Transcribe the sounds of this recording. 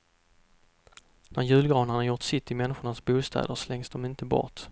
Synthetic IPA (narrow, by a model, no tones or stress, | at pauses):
næɾjʉ̟ːlɡɾɑːnanaɾjʊʈ̪sɪt̪ːɪmɛnːɪɧʊɳasbuːst̪ʰɛ̰ːd̪əɾslɛŋsd̪ɔmɪnt̪əbɔ̰t